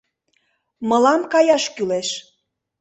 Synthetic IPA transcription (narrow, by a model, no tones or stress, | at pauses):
mə̆lɑmkɑjɑʃkyleʃ